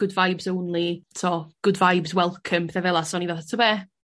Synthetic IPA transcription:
ɡ̥ʊdvajbzownlˠitʰɔɡ̥ʊdvajbzwɛlˠkʰəmpʰθɛvɛlˠasɔnivaθatʰɔbɛː

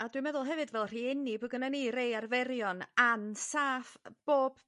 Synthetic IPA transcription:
adwimɛðʊlˠɦɛvɨdvɛlˠr̥iːɪnibʊɡənanirejarvɛɾjɔnansaːfb̥oːb̥

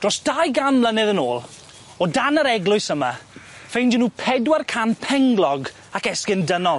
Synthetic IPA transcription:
d̥rɔsd̥ajɡamlənɛðəno̰ːlˠ | ɔdanəɾɛɡlˠʊɨsəmafejnd͡ʒinuːpʰɛdwarkʰanpʰɛŋɡlˠɔɡ | akɛskɪndənɔlˠ

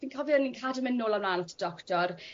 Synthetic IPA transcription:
viːnkʰɔviəninkʰadəmɛnːʊlamlaːnɔtʰə̥d̥ɔktɔr

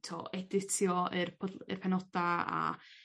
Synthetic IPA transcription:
tʰɔ̰ɛdɪtʰjɔərpʰə̰rpʰɛnɔdaa̰

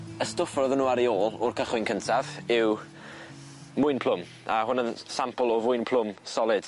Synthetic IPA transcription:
əstʊfrɔðənːuːaɾioːlˠɔrkʰəχwɪnkʰəntʰavɪw | mʊjnpʰl̥ˠʊm | aɦʊnənsampəlˠɔvʊɨnpʰl̥ˠʊmsɔlˠɪd̥

